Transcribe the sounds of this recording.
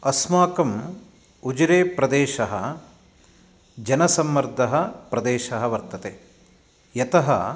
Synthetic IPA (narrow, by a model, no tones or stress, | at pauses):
ɐsmaːkɐm | ud͡ʒɾeːpɾɐd̪eːʃɐɦɐ | d͡ʒɐnɐsɐmːɐɾd̪ʱɐɦɐpɾɐd̪eːʃɐɦɐʋɐɾt̪ɐt̪eː | jɐt̪ɐɦɐ̰